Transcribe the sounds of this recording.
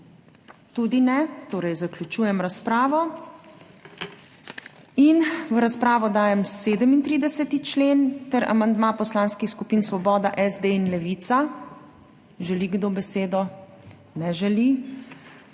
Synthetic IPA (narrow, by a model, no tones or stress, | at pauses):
t̪ud̪inɛt̪oːɾɛjzaklʲjut͡ʃuːjɛmɾaspɾaːʋɔ | inʋəɾaspɾaːʋɔd̪aːjɛmseːd̪əmint̪ɾiːd̪ɛsɛt̪it͡ʃleːnt̪ɛɾa̰mand̪mapɔslaːnskixskupiːnsʋɔbɔːd̪aʔɛzd̪einlɛʋit̪sa | ʒɛliɡd̪obɛseːd̪ɔ | nɛʒɛli